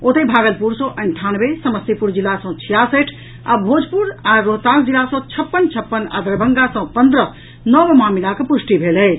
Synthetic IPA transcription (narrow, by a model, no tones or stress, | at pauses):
ot̪ebʱaɡəlpuɾsə̃ʔəɳʈʰanbesəməst̪ipuɾd͡ʒilːasə̃t͡ʃʰijasəʈʰ | a̰bʱod͡ʒpuɾaɾoɦt̪ãsd͡ʒilasə̃t͡ʃʰəpːənt͡ʃʰəpːəna̰d̪əɾbʱəŋɡasə̃pənd̪ɾə | nɔbmamilakepusʈibʱelɛ